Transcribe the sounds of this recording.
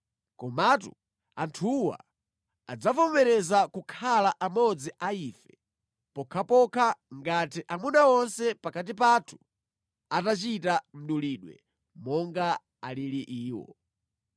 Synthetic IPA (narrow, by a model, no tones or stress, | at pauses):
kɔmatu | antʰuwa̰ | a̰d͡zapɔmɛɾɛzakukʰalaʔamɔd͡ziʔaiːfɛ | pɔkʰapɔkʰaŋɡatiʔamunaɔnsɛpakat̬ip̬atʰu̥ | atat͡ʃitam̩ɗuliːɗwɛ̰ | mɔŋɡa | aliliʔiːwɔ̰